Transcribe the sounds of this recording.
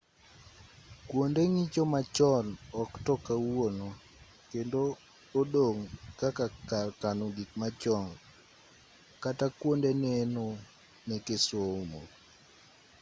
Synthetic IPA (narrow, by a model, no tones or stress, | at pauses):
kwondeŋit͡ʃomat͡ʃɔlɔktɔkawonɔ | kendoː | doŋkakakalkanoɡikmat͡ʃɔŋɡ | katakwondeneno | nekeswoumo̰